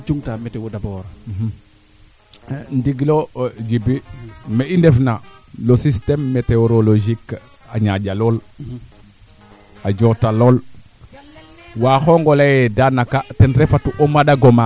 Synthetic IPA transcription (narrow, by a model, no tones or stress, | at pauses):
t͡ʃuŋtametewodabɔːɾah | ndiɡlod͡ʒibimeʔindefnalosistemːeteoɾoloʒik | aɲaɟaloːl | aɟotaloːl | waːxoŋɡolajedanakatenɾefatuʔomadaɡoma